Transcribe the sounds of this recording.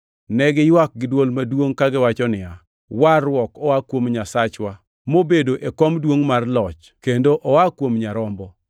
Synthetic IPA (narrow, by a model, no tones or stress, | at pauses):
nɛɡɪjwak̚ɡɪdwolmadwoŋkaɡɪwat͡ʃɔnɪa | warwɔkɔwakwomɲasat͡ʃwa | mobedoʔekɔmdwoŋmarlɔt͡ʃ | kendoʔɔwakwomɲaɾɔmbɔ